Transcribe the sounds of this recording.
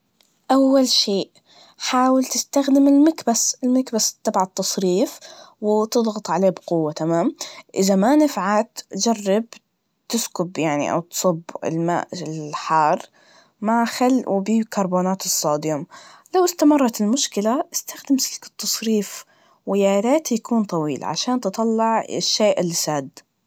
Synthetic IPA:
ʔawːalʃeːʔ | ħaːwɪlt̪ɪst̪axd̪ɪmɪlmɪkbasɪlmakbast̪ːabʕat̪ːɑsˤɾiːfwɪt̪ɨðˤɣɑt̪ˤʕaleːbqʊwːat̪amaːmʔɪzamanɪfʕat̪d͡ʒarːɪb | t̪ɪskʊbjaʕnḭʔa̰wt̪sˤʊbːɪ̰lma̰ːʔɪlħɑːrˤ | maxalːʔubiːkɑɾˤboːnaːt̪ɨsˤːɑːd̪ɪjʊmlawɪst̪amɑrˤːɑt̪ɪlmʊʃkɪlaʔɪst̪axd̪amsɪkɪ̥t̪ːɑsˤɾiːf | wɪjaːlaːt̪jakʰuːnt̪ˤɑwiːlʕa̰ʃaːnt̪ɨt̪ˤɑlːɪʕɪ̰ʃːeːʔɪlːisaːd̪

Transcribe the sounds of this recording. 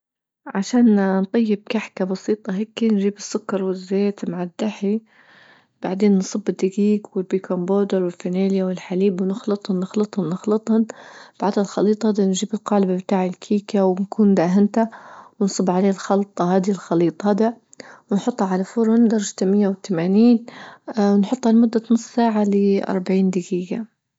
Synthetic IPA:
ʕaʃaːnnt̪ˤɑjːɪb̚kaħkabɑsiːt̪ˤɑɦakːinʒiːbɪsːʊkːɑɾˤwɪzːeːt̪maʕad̪ːaħi | b̥aʕd̪eːnːsˤɨbːɪd̪ːaɡiːɡwɪlbiːkʰomboːd̪ɪɾwɪlfɪneːljawɪlħaliːbwnɪxlɨt̪ˤhʊnːɪxlɨt̪ˤhʊnnːɪxlɨt̪ˤhʊnb̥aʕd̪halxɑliːt̪ˤɑd̪anʒiːbɪlqɑːlbabt̪aːʕɪlkʰiːkawnkʰuːnd̪aːɦɪnt̪awnsˤɨbːʕaleːlxɑlt̪ˤːɑhaːd̪ilxɑliːt̪ˤɑd̪a | wɪnħʊt̪ˤːhaʕalafʊɾˤʊnd̪ɑɾˤɑd͡ʒat̪amɪjːawɪt̪amaːniːnwnħʊt̪ˤːhalamʊd̪ːat̪nʊsˤsaːʕalɪʔɑ̰ɾˤbaʕiːnd̪ɪɡiːɡa

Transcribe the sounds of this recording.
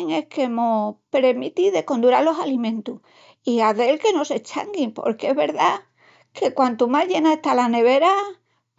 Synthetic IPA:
ŋe̞hke̞mopɾemit̪iðe̞ko̞nd̪uɾalo̞salimẽnt̪uh | iaðe̞lke̞no̞se̞t͡ʃa̰ŋɡimpo̞̰ɾkeeɦβe̞ɾða | ke̞kwant̪umaʝe̞naeht̪alane̞β̞e̞ɾa

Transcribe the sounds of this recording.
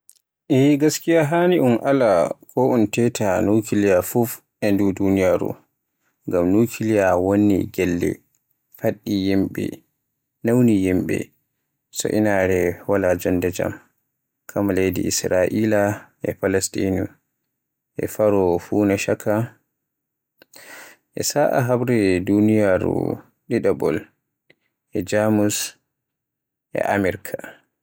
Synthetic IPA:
ʔɛɡaskijaɦaniʔunʔalakʰɔʔuntɛtʰanukilijafuf | ɛndudunijaɾṵ | ŋɡamnukʰilijawonːḭɡɛlːɛ̰ | faɗːijimɓɛ̰ | nawnijimɓɛ̰ | sɔ̰ʔḭnaɾɛwalad͡ʒɔndɛd͡ʒa̰m | kʰamalejdḭʔisɾaʔilaʔɛpalɛstinu | ʔɛ̰faɾɔfunaʃakʰa | ʔɛsaʔa̰ɦabɾɛdunijaɾṵ | ɗiɗabɔ̰l | ʔɛd͡ʒamus | ʔɛ̰ʔamɛɾkʰa

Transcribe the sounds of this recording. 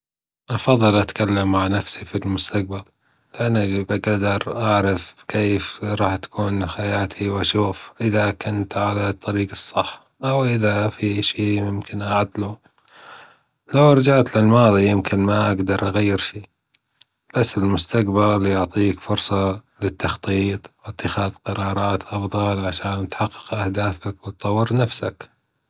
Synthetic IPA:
ʔɑfɑðˤːɨlʔat̪kalːamːaʕnafsifilmʊst̪aq̚bal | lɪʔanːabaɡad̪ɑɾˤʔaʕɾɑfkeːfɾˤɑːħt̪ḁkʰuːnxajaːt̪ʰiwʔaʃuːfʔɪðakʊnt̪ʕalat̪ˤːɑɾiːɡɑsˤːɑħː | ʔawʔɪðafiʃiːjɪmkɪnʔaʕad̪lu | lawɑɾˤd͡ʒaʕt̪lɪlmɑːðˤijɪmkɪnmaʔaɡd̪ɑɾˤʔaɣajːɪɾʃiː | b̥asːɪlmʊst̪aqbaljʊʕt̪ˤiːkfʊɾsˤɑ | lɪt̪ːɑxt̪ˤiːt̪ˤwɪt̪ːɪxaːðqɑɾˤɑːɾˤɑːt̪ʔɑfðˤɑlʕaʃaːnːɪt̪ħɑqːɪ̥qʔahd̪aːfakwɪt̪̚t̪ˤːɑwːɪɾnafsak

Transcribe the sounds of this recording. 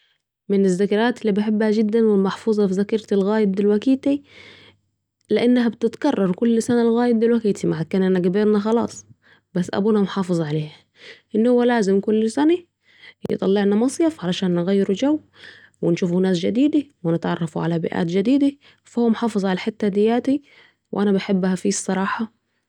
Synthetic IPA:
mɪnɪzːækɑɾˤaːt̪ɪlːibɪħebːhæd͡ʒɪd̪ːænwɪlmɑħfuːzˤɑfizækɑɾˤt̪ɪlɣaːjɪt̪̚d̪ɪlwækiːt̪i | lɪʔanːɦæbt̪ɪt̪kɑrˤːɑɾˤkʊlːsænælɣæːjɪd̪ɪlwækiːt̪imaʕad̪̚kaːnʔænæɡæbeːɾnæxɑlɑ̰ːsˤ | bæsːʔæ̰buːnæmoħɑːfɨzˤʕaleːhæ | ʔɪnːhʊwːælaːzɪmkʊlːsæna | jḛt̪ˤɑlːeʕnamɑsˤjɑfʕalæʃaːnːɪɣæjːɪɾud͡ʒæwː | wɪnʃuːfunaːsd͡ʒad̪iːd̪awɪnɪt̪ʕɑrˤːɑfuʕalæbɪ̰ʔæ̰ːt̪d͡ʒɪd̪iːd̪a | fahowːæmħɑːfɨzˤʕalæħet̪ːæd̪ɪjːaːt̪i | wʔænæbaħebːhæfisˤːɑɾˤɑːħɑ

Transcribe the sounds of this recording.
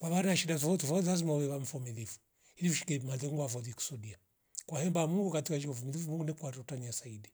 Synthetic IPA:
kwaβaɾaʃidafɔvɔtuvɔlazimaβɛβam̩fɔmilifu̥ | hiliuʃi̥kɛmaðɛŋɡavɔðiku̥sɔdia | kwahɛmbamuŋɡukatiwaʃ̬ikafɔmilivumuŋɡunɛkwaɾɔtaɲiasaidi

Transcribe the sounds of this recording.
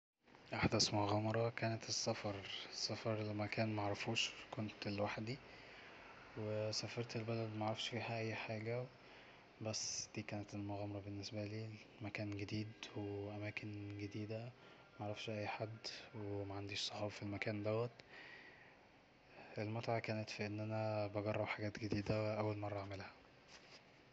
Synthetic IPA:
ʔaħd̪æsmoɣɑːmɑɾˤɑkæːnet̪esːæfɑɾˤsˤːæfɑɾˤlmækæːnmæʕɾˤɑfuːʃkont̪elwaħd̪i | wesæfɑɾˤt̪elbælæd̪mæʕɾˤɑfʃfiːhæʔæjːħaːɡæw | bæsːd̪̥iːkæːnet̪elmoɣɑːmɑɾˤɑbenːesbæliːmækæːnɡed̪iːd̪weʔæmæːkʰenɡed̪iːd̪æ | mæʕɾˤɑfʃʔæjːħad̪ːwemæʕand̪iːʃsˤoħɑːbɑfilmækæːnd̪æwːæt̪ | elmot̪ʕakæːnet̪fiʔenːʔænæbɑɡɑrˤːɑbħaɡæːt̪ɡed̪iːd̪æʔæwːælmɑrˤːɑʔʕmelhæ̥

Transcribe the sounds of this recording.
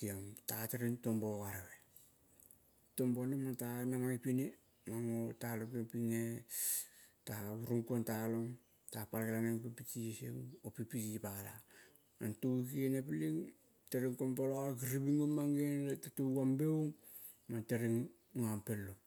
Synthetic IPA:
kiamtateɾiŋtomboɣaɾeβe | tombonematanaŋaipine | maŋotalokepiŋe | tauɾuŋkuantaloŋ | tapalkelaneŋpipit͡ʃisḭŋopipitipala̰ | antuikienepiliŋ | teɾiŋkonpolokiɾibiŋomaŋɡenetatuɡambewŋ | mateɾiŋ | ampelːo

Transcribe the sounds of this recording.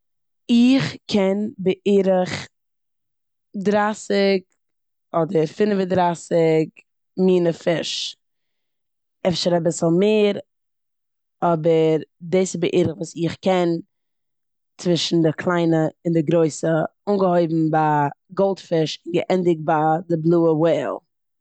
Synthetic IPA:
ɪχkʰɛnbəʔiːɾɪχ | dɾasɪk̚ | ɔdəɾfɪnəvədɾasɪk | miːnəfɪʃ | ɛfʃəɾabɪsl̩ˠmeːɾ | ɔbəɾdeːsɪbəʔiːɾəχvuːsɪχkɛn | t͡svɪʃn̩dɪkʰlˠaɪnəɪndɪɡɾoɪsəunɡəhoɪbm̩baɡɔlˠtfɪʃɪnɡə̰ʔɛndɪk̚tbadɪblˠuːəweːlˠ

